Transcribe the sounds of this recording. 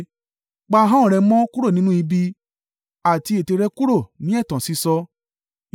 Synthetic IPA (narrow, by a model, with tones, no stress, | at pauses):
k͡pa˧ɦã˦˨ɾɛ˧˦mɔ̃˦ku˦ɾo˦˨nĩ˦nũ˦i˧bi˧ | a˨ti˧e˨te˧ɾɛ˧ku˦ɾo˦˨nĩ˨˦ɛ˦˨tã˨si˧˦sɔ˧